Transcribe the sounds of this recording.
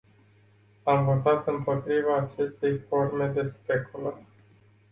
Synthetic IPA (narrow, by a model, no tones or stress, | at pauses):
amvo̞t̪at̪ɨmpo̞t̪ɾivaːt͡ʃe̞st̪e̞jfo̞rme̞d̪e̞spe̞kʰulə